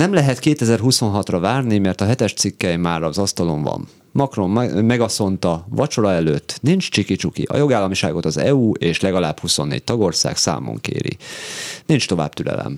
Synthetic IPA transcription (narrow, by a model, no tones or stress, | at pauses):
nɛmlɛɦɛt̪keːt̪ɛzɛrɦuso̞nɦɒt̪rɒvaːrnimɛrt̪ɒɦɛt̪ɛʃt̪sikːɛjmːaːɾɒzɒst̪ɒlo̞ɱvɒ̰nː | ɒkro̞mːɛɡɒso̞nt̪ɒvɒt͡ʃo̞lɒɛløːt̪ːnint͡ʃt͡ʃikit͡ʃukḭʔɒ̰jo̞ɡaːlːɒmiʃa̰ːɡo̞t̪ɒzɛ̰uːeːʃlɛɡɒlaːbhuso̞nːḛːc̚t̪ɒɡo̞rsa̰ːksa̰ːmo̰ŋkḛːɾḭnint͡ʃt̪o̞va̰ːbt̪ylɛ̰lɛ̰m